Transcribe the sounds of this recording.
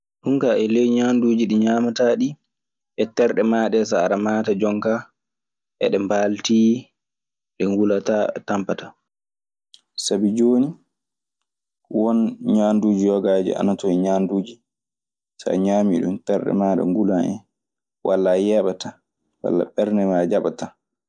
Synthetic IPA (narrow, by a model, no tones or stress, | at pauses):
ɗuŋkaʔɛlɛjɲanduːd͡ʒiɗiɲaːmataɗi | ʔɛtɛɾɗɛmaɗɛs̬aːɾamaːtad͡ʒɔŋka | ʔɛ̰ɗɛmbalti | ɗɛŋɡulatatampatḁ | sabid͡ʒoːni | wɔnɲanduːd͡ʒijɔɡaːd͡ʒɛ̰ʔa̰natɔɛɲaːnduːd͡ʒi | sa̰ɲaːmiɗṵmtɛɾɗɛ̰maːɗɛ̰ŋɡulanɛ̰ | wʔalːajɛɓata | wa̰lːa̰ɓɛɾnɛmad͡ʒaɓata